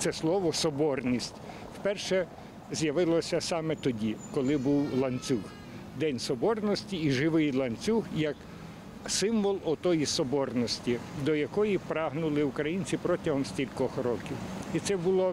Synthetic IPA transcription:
t̪sɛslˠɔʋɔsɔbɔrnʲisʲtʲ | wpɛrʃɛ | zʲjɐʋɪlˠɔsʲɐsɑmɛt̪ɔdʲikɔlˠɪbuwlˠɐnʲt͡sʲux | d̪ɛnʲsɔbɔrnɔsʲtʲiːʒɪʋɪjlˠɐnʲt͡sʲuɦjɐk | sɪmʋɔlˠɔt̪ɔjisɔbɔrnɔsʲtʲid̪ɔjɐkɔjipɾɑɦnʊlˠɪukɾɐjinʲt͡sʲipɾɔtʲɐɦɔmsʲtʲilʲkɔxɾɔkʲiwit̪sɛbʊlˠɔ

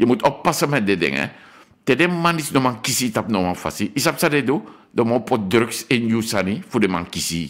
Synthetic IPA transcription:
jamut̪ɔpːasəmɛdɛdɛ̰ŋɛ̰ | t̪ɛdɛmanisnɔmaŋkisit̪ap̚nɔmafa̰siʔis̬ap̚saded̪u | dɔmapɔt̪̚d̪ɾəksɛnjusanifudɛma̰ŋkisi

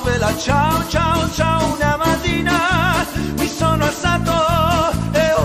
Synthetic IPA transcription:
velat͡ʃaot͡ʃaot͡ʃaunamat̪iːna | misoːnoast̪aːt̪o | e

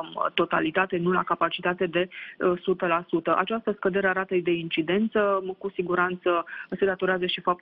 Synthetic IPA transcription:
mt̪o̞t̪a̰lit̪at̪e̞nula̰kapat͡ʃit̪at̪e̞d̪e̞sut̪əlasut̪əʔa̰t͡ʃast̪əskəd̪e̞ɾeaɾat̪əjd̪e̞int͡ʃid̪e̞nt̪səkusiɡuɾant̪səse̞d̪at̪o̞ɾeazəʃifap̚t̪

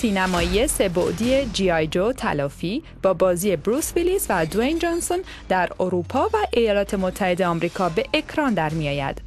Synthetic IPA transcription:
siːnæmɒːiese̞bo̰ʔd̪iːed͡ʒiːɒjd͡ʒot̪ʰæ̰lɒːfiː | b̥ɒːbɒːziːe̞bɾusvilisvæd̪oend͡ʒonson | d̪æɾoɾupʰɒːvæʔejɒːlɒːt̪ʰe̞mo̞t̪ʰːæhe̞d̪e̞ɒːmɾiːkʰɒːbe̞ʔekʰɾɒnd̪æɾmiɒːjæ̰d̪̥

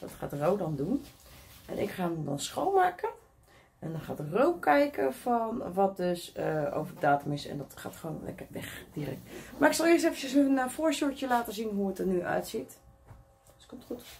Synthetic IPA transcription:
dɔ̰tχa̰ːtrowdɔndunʔɛ̰nʔɪ̰kχaːmdɔ̰nsxowmaːkən | ɛndɔnχaːtərowkɛjkəfɔnʋɔt̚døsəo̰wvərddaːtəmɪsɛ̰ndɔtχa̰ːtχəʋoːnlɛ̰kərʋɛ̰xd̥irɛ̰k̚tmaɪksɑlˠɪəstɛfəəsnfoːɹsuɹtəlaːtəzinɦuətərnyʔœ̰ɥtsit | skɔmtχut

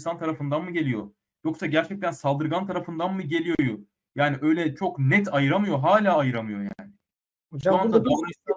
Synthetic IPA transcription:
sant̪ʰaɾafɯnd̪anmɯɟe̞lʲijo | jo̞ksaɟæɾt͡ʃʰɛc̚t̪ʰænsalˠd̪ɯɾɡant̪ʰaɾafɯnd̪anmɯɟe̞lʲijojo | jaːniʔø̞jlʲɛt͡ʃʰo̞knɛt̪ʰajɯɾamɯjo̞ɦaːlʲaːajɯɾamɯjo̞ja̰ːnɪ | oand̪ad̪oɾuisijo

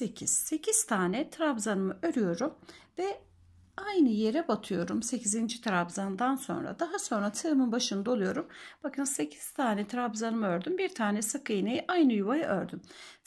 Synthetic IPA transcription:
secʰiz̥se̞cʰiz̥t̪ʰaːnɛt̪ʰɾabzanɯmɯø̞ɾyjo̞ɾumvɛ | ajnɯje̞ɾɛbat̪ʰɯjo̞ɾumse̞cʰizind͡ʒit̪ʰɾabzand̪anso̞̰nɾa̰d̪aɦaso̞nɾat̪ʰɯmɯnbaʃɯnd̪aolˠujo̞ɾumb̥akʰɯnse̞cʰi̥z̥t̪ʰaːnɛt̪ʰɾabzanɯmɯøɾd̪ymbiɾt̪ʰaːnɛsɯkʰɯjnejʔajnɯjuβajaʔøɾd̪ym

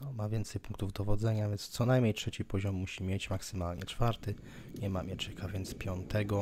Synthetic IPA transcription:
nɔmavʲjɛnt̪sɛjpuŋkt̪uvd̪ɔvɔd̪zɛɲavʲjɛnst̪sɔnajmʲɲejtʂɛt͡ɕipɔʑɔmːuɕimʲjet͡ɕmaksɘmalɲɛt͡ʂfaɾt̪ɘ | ɲɛma̰mʲjɛt͡ʂɛkavʲjɛnt̪spʲjɔnt̪ɛɡɔ

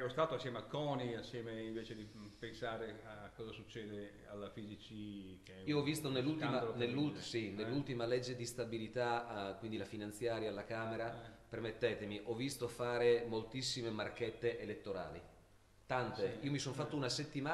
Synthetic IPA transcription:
ɛɾost̪aːt̪oasːjɛːmeakɔːniasːjɛːmeiɱveːt͡ʃed̪ipensaːɾeakːɔːzasut͡ʃːɛːd̪e | a̰lːafizit͡ʃikiːoɔvːist̪onelːult̪manelːulsinelːult̪imalɛd͡ʒːed̪ist̪abilit̪akwind̪ilafinant̪sjaːɾjaalːakaːmeɾapermet̪ːɛːt̪emiʔɔvːist̪ofaːɾemolt̪isːimemarket̪ːeʔelet̪ːoɾa̰ːlḭ | t̪ant̪eiːomisonfat̪ːounaset̪ːima

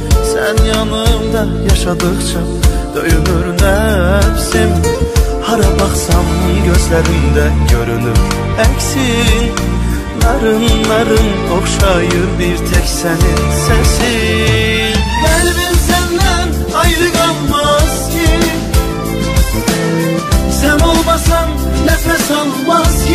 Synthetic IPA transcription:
sænjanɯmd̪a | jaʃad̪ɯkt͡ʃʰa | d̪̥øjynyɾnɛpsim | haɾabaqsamɯɟøzlɛɾimd̪ɛɟø̞ɾynym | ɛksi | nɑɾɯnlˠɑɾɯn | okʃajɯbiɾt̪ʰɛkʲsɛninsɛnsi | ɛɾbinsɛnd̪ɛn | ɑjɾɯɡɑnmɑzkʰi | sɛno̞lˠmɑsɑm | nɛp̪ɛsalˠmɑzi

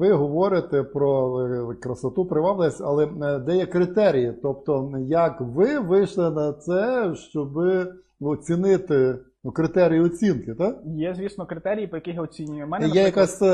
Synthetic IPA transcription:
ʋɪɦɔʋɔɾʲɪt̪ɛpɾɔkɾɐsɐt̪upɾɪʋɑblˠeɐsʲɐ̰lˠɛd̪ɛjɛkɾɪt̪ɛɾʲijit̪ɔp̚t̪ɔjɐkʋɪʋɪjʃlˠɪnɐt̪sɛʃt͡ʃɔbɪ | ɔt͡sʲinɪt̪ɪ | nukɾɪt̪ɛɾʲijʊɔt͡sʲinkɪt̪ajɛzʲʋʲisnɔkɾɪt̪ɛɾʲijipɔjɐkɪxjaɔt͡sʲinʲʊjʊmɛnɛjjɛjɐkasʲ

